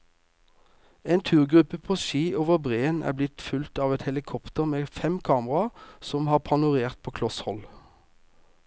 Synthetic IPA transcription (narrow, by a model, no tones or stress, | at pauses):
eːnt̪ʰʉːʁɡʁʉpəpʰoːʃiːʔoːʋəʁbʁeːənæ̰ːblɪt̪fʉlt̪ɑːʋɛt̪hɛlɪkʰɔpt̪əʁmeːfɛmkʰɑːməʁɑsɔmhɑːʁpʰɑnʊʁeːʁt̪̚pʰoːkʰlɔshɔl